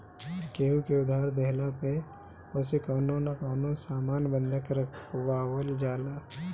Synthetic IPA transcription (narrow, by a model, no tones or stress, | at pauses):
ɾkeːɦukeʊd̪ʱaːɾd̪ɛɦlape | osekɔːnõnakɔːnõsaːmaːnbə̃nd̪ʱəkɾəkʰʊwawəld͡ʒaːlaː